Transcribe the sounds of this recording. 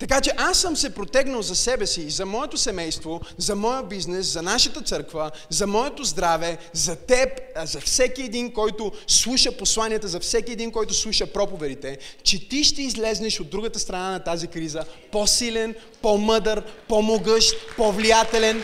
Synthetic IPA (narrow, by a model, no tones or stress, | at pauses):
t̪ɐkat͡ʃɛʔasːəmsɛpɾot̪ɛɡnəlzɐsɛbɛsiːzɐmɔɛt̪osɛmɛjst̪vozɐmɔjəbiznɛszɐnaʃət̪ət̪sɤɾkvəzɐmɔɛt̪ozd̪ɾavɛzɐt̪ɛpzɐfsɛkiɛd̪inkɔjt̪ʊslˠuʃəposlˠaniət̪əzɐfsɛkiɛd̪inkɔjt̪ʊslˠuʃəpɾɔpovɛd̪it̪ɛt͡ʃɛt̪iʃt̪ɛizlɛznɛʃod̪ːɾuɡət̪əst̪ɾɐnanɐt̪azikɾizəposilɛn | pomɤd̪əɾpomoɡɤʃt̪povlijat̪ɛlɛn